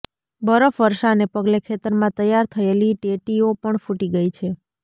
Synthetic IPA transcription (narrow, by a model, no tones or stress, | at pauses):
bəɾəfʋəɾʃanepəɡlekʰet̪əɾmãt̪əjːaɾt̪ʰəeliʈeʈiopəɳfʰũʈiɡəjt͡ʃʰe